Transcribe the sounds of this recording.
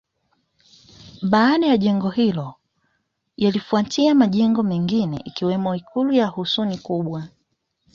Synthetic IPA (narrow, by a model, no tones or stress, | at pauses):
ɓaːɗajaʄɛŋɡɔhilɔ | jalifuatʰiamaʄɛŋɡɔmɛŋɡinɛ̰ʔikiwɛmɔikʰulujahusunikuɓwa